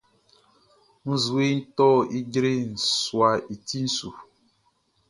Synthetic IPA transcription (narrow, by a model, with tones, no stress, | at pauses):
n̩˦zu˨˦e˦n̩˦tɔ˦i˦d͡ʒɾe˦n̩˨swa˨i˨ti˦n̩˦su˨